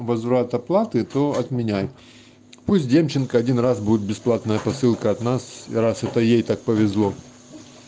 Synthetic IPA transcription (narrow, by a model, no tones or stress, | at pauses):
vɐzvɾat̪ɐplˠat̪ɨt̪oɐt̪mʲɪnʲæjɪt̪ | pusʲt̚ʲdʲemt͡ɕːɪnkəɐdʲinrasbudʲɪt̪̚bʲɪsplˠat̪nəjəpɐsɨlˠkəɐt̪nasɾasɛt̪əjejt̪ak̚pəvʲɪzlˠo